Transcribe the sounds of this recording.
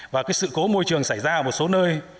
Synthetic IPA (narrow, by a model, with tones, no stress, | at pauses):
vaː˨˩kaː˨˦˥ksɨ̰˧˨ko˨˦mo˧jt͡ɕɨ˨˩əŋsaː˧˩jzaː˧ʔəː˧˩mo˨˩t̚so˨˦nəː˧j